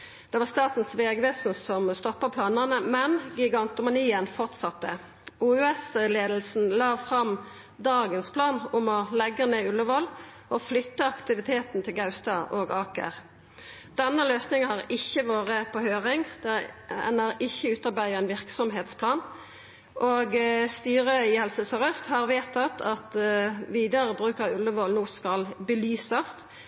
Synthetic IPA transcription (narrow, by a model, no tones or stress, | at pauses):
d̪̥ɛʋɑːʁst̪ɑːt̪n̩sʋeːɡʋeːsn̩sɔmst̪ɔpːəpʰlɑːnənəmɛnɡɪɡɑnt̪ʊmɑniːənfɔʁt̪sɑt̪ːə | uʉɛsleːd̪l̩sn̩lɑːfʁɑm | d̪ɑːɡənspʰlɑːnʊmɔlɛɡːəneːʉlːəʋɔlː | ɔflʏt̪ːəɑkt̪ɪʋɪt̪ʰeːt̪n̩t̪ʰɪlɡɑʉst̪ɑʔoːɡɑːkə̰ʁ | d̪̥ɛnːəløːsnɪŋhɑʁɪçːəʋoːʁəpʰɔhøːʁɪŋd̪ɛɛ̰nːəʁɪçːəʉːt̪ɑʁbæɪəɛnʋɪʁksɔmɦeːt̪spʰlɑːn | ʔoːɡst̪yːʁəɪhɛlsəsɔʁœst̪hɑʁʋeːt̪ʰɑt̪ʰɑt̪ʋiːd̪ɑʁəbʁʉːkɑʉlːəʋɔlnoːskɑlbəlyːsəst̪